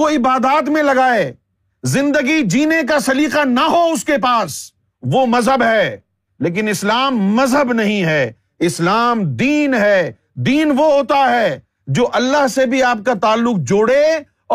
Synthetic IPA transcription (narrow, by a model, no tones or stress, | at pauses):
oɪbaːd̪aːt̪̬mẽlɐɡaːe | zɪ̃nd̪əɡid͡ʒiːnek̬asɐliːqanaɦoʊskepaːs | ʋomɐzɦəbɦɛː | leːk̬ɪnɪslaːmːɐzɦəbnɐɦĩɦɛː | ɪslaːmd̪iːnɦɛː | d̪iːnʋoɦoːt̪aɦɛː | d͡ʒoːʔɐlːaɦsebʱiaːp̚kat̪aːlːʊq̚d͡ʒoːɽeː